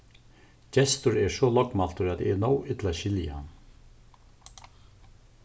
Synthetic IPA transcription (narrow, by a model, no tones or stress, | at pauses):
cɛst̪ʊɾɛɹsɔlɔkmal̥t̪ʊɾat̪ɛnɔwɪt̪laʃɪljaha̰nː